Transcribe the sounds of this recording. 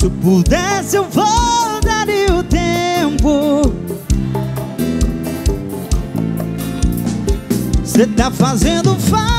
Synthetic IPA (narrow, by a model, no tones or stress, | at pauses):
sɪpud̪ɛsɪewvod̪aɾiʊt̪empʊ | set̪afazẽnd̪ʊfa